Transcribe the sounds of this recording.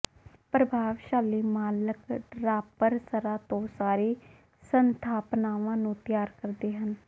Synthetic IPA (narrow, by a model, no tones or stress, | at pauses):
pɾəbʱaːʋʃaːliːmaːləkɖɾaːpəɾsəɾaːt̪õːsaːɾeː | sənt̪ʰaːpnaːʋãːnũːt̪ɪjaːɾkəɾd̪eːɦən